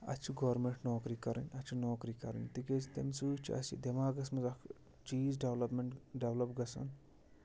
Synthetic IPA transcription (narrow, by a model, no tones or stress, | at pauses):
ɐ̰t͡ʃʰiɡɐːɾmeɳʈnoːkɾiːkɐɾɐnʲɐt͡ʃʰunoːkɾiːkɐɾɐ̰nʲt̪iket͡ʃit̪ɐmsuːt͡ʃʰiɐ̰sʰḭd̪emaːɡɐsmɐzɐkʰ | t͡ʃiːzɖeʋlɐpmeɳʈɖeʋlɐpɡɐsɐ̰n